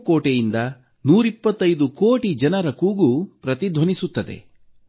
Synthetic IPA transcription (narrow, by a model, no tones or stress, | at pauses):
koːʈejind̪ɐ | nuːɾipːɐt̪ːɐjd̪ukoːʈid͡ʒɐnɐɾɐkuːɡupɾɐt̪id̪ʱʋɐnisut̪ːɐd̪ḛ